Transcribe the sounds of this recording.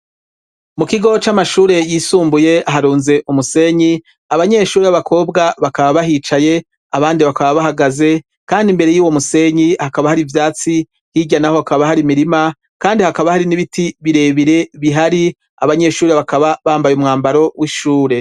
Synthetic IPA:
mukiɡo̞t͡ʃamaʃuːɾe̞jiːsuːmbuje̞aɦaɾuːnze̞ʔumuse̞ɲi | aβaɲe̞ʃuːɾeaβakʰo̞ːbɡaβakaβaβaɦiːt͡ʃaje̞ | aβaːndiβakaβaβahaɡaze̞ | kaːndimbe̞ɾe̞juːwo̞muse̞ɲihakaβahaɾivjaːt͡si | hiɟanaho̞hakaβahaɾimiɾima | kaːndihakaβahaɾiniβitiβiɾe̞βiɾe̞βiɦaɾi | aβaɲe̞ʃuːɾe̞βakaβaβaːmbajumŋaːmbaɾo̞wiʃuːɾe̞

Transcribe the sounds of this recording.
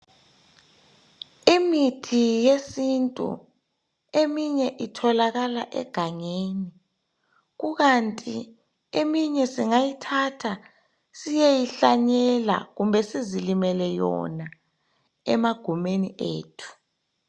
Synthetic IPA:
imitʰijesintʼṵ | emiɲɛʔitʰɔlaɣalaʔɛ̰ɡ̥ʱaŋeːni | ɣuɣantʼi | emiɲɛsiŋajitʰatʰa | sijejiɬaɲɛla̰ɣumbʱɛsizilimɛlɛjɔ̰na | ɛmaɡ̥ʱumenḭʔḛːtʰu̥

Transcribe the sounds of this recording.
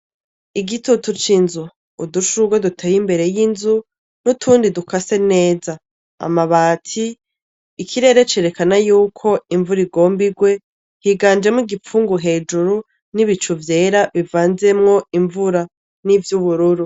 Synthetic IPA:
iɡitutut͡ʃinzuː | duʃuɡwadutʰeːjimbe̞ɾe̞jinzu | nutʰuːndidukʰase̞ne̞ːza | a̰maβaːtʰiː | kʰiɾe̞ːɾe̞t͡ʃeɾe̞kanajuːkʰo̞iɱvuɾiɡo̞ːmbiɡwe̞ | hiɡaːnd͡ʒemŋiɡip͡fuːŋɡuɦe̞ːd͡ʒuɾu | niβit͡ʃuvje̞ːɾaβivaːnze̞mŋo̞iɱvuɾa | nivjuβuɾuɾu

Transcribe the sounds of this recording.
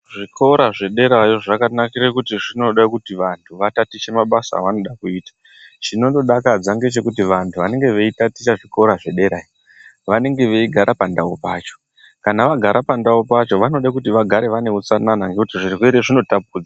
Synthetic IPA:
ʐikʰo̞ɾaʐe̞ɗe̞ɾajoʐakanakiɾekutiʐino̞ɗakutiʋantʰuʋatatit͡ʃemaɓasa̰ːʋano̞ɗakuiːtḁ | t͡ʃino̞ndo̞ɗakad͡zaŋɡe̞t͡ʃe̞kutiʋantʰuʋane̞ŋɡe̞ʋe̞itatit͡ʃaʐiko̞ɾaʐe̞ɗe̞ɾaːjo | ʋane̞ŋɡe̞ʋe̞iɡʱaɾʔapandaupaːt͡ʃo̞̥ | kanaʋaɡʱaɾʔapandaupat͡ʃo̞ʋano̞ɗakutiʋaɡʱaɾe̞ʋane̞ut͡sananaŋɡe̞kutiʐirkweɾeʐino̞tap̚uːd͡za

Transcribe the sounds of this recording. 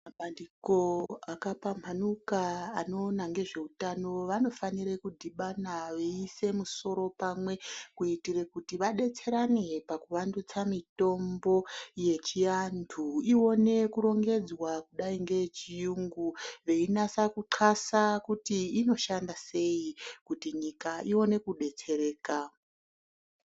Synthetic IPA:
maɓandiko̞akapampʰanukaːno̞ːnaŋɡe̞ʐe̞utano̞ʋano̞faniɾekudʱiɓanaʋeise̞muso̞ɾo̞pamwe̞kuitirekutiʋaɗe̞t͡se̞ɾane̞pakuʋandut͡samito̞mbo̞je̞t͡ʃijandʰuio̞ne̞kuɾo̞ŋɡe̞d͡zwakuɗaiŋɡe̞t͡ʃijuŋɡuʋe̞inasakuǃʰasakutiːno̞ʃandase̞ikutiɲikaio̞ne̞kuɗe̞t͡se̞ɾe̞ːka

